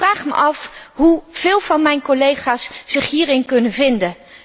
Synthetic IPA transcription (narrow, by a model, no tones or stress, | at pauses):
raːχmə̰ʔɑfɦuv̥ɪːlˠvɑnmɛjnkolejχaːsːɪχɦiːɾɪnkɵnənvɪndə